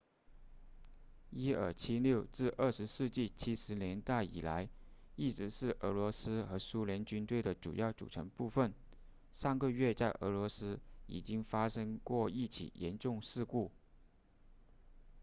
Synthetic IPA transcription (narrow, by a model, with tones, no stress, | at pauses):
i˥ə̰˞˨˩t͡ɕʰi˥ljo˥˧ʊʈ͡ʂɻ̩˥˧ʔə˥˩ʂɻ̩˧˥ʂɻ̩˥˧t͡ɕi˥˩t͡ɕʰi˥ʂɻ̩˧˥njɛ˧˥nt̪a˥˩ɪḭ˨˩la˧˥ɪ | i˥˩ʈ͡ʂɻ̩˧˥ʂɻ̩˥˩ʔə˧˥lwɔ˧˥sɹ̩˥xɤ˧˥su˥ljɛ˧˥nt͡ɕy˥nt̪we˥˩ɪd̪ə˩ʈ͡ʂṵ˨˩jɑ˥˩ʊʈ͡ʂṵ˨˩ʈ͡ʂʰɤ˧˥ŋpu˥˧fə˥˩n | ʂɑ˥˧ŋɡə˧ɥɛ˥˧t͡sa˥˩ɪʔə̰˧˥lwɔ˧˥sɹ̩˥ḭ˨˩t͡ɕi˥ŋfa˥ʂɤ˥ŋkwɔ˥˧i˥˩t͡ɕʰḭ˨˩jɛ̰˧˥nʈ͡ʂʊ˥˧ŋʂɻ̩˥˧ku˥˩